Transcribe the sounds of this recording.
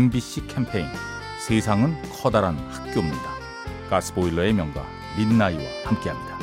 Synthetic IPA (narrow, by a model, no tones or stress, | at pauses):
embiɕ͈ikʰempʰe̞in | sʰe̞sʰaŋɯnkʰʌdaɾanhḁk̚k͈jomɲida | kas͈ɯ̥boilːʌe̞mjʌŋɡwa̰ | minːaiwa̰hamk͈e̞ɦamɲida